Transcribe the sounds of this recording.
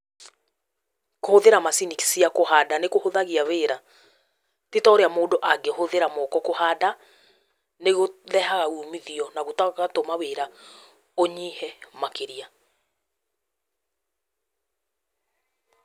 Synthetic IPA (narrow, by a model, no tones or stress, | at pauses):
kohoðeɾamasiniksiakohaːdanekohoðaɣiaweːɾa | tetɔɾeamoːdoʔaɡɛhoðeɾamɔkɔkohaːda | neɣoðɛhaɣaumiðiɔnaɣotakaatomaweɾa | oɲihɛmakeɾia